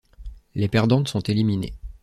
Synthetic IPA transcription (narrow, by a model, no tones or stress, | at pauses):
lepɛʁd̪ɑ̃t̪sɔ̃t̪eliminḛ